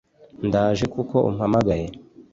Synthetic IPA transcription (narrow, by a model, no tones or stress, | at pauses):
ndaːʒekuko̞ʔṵm̩hamaɡaje